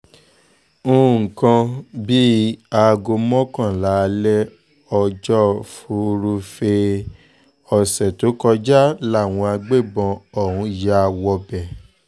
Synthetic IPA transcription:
ũ˦˨kã˧bi˦a˧ɡo˧mɔ̃˦kã˦˨la˨˦˧lɛ˦ | ɔ˧d͡ʒɔ˦fu˧ɾu˧fe˧ | ɔ˨sɛ˨to˨˦kɔ˧d͡ʒa˦la˦˨w̃ɔ̃˧a˧ɡ͡be˦˨bɔ̃˧ɔ˨hũ˨˧ja˦˧wɔ˧bɛ˨

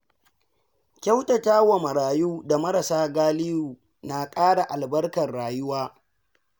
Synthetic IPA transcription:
kʲa˦wtɐ˨taː˦wɐ˨mɐ˨ɾaː˨juː˦da˨mɐ˦ɾɐ˨saː˦ɡaː˦lɪ˦juː˨ | na˨kʼaː˦ɽa˨ʔa˨lbɐ˦rkɐ˨rɽaː˨jʊ˦waː˦

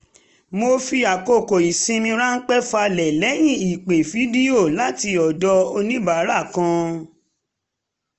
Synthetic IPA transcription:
mo˧fi˧a˨ko˨ko˨i˨sĩ˧mĩ˧ɾa˦n̩˦k͡pɛ˦fa˧lɛ˨lɛ˨˦j̃ĩ˦˨i˨k͡pe˨fi˨˦di˦o˦˨la˨˦ti˧ɔ˨dɔ˧o˧nĩ˦ba˨˦ɾa˦˨kã˧

